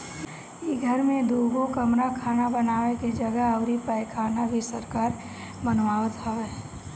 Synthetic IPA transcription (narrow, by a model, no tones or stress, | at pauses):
iɡʱəɾmẽd̪uːɡokəmɾakʰaːnabənaːʋekid͡ʒəɡəɦəʊɾipəɪkʰaːnabʱisəɾkaːɾ | bənʋaːʋət̪ɦɔʋeː